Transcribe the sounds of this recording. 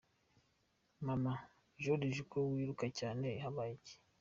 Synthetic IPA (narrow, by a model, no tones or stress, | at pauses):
mama | ʒoɾiʒukowiːɾukacaːne̞ɦaβajiɟe̥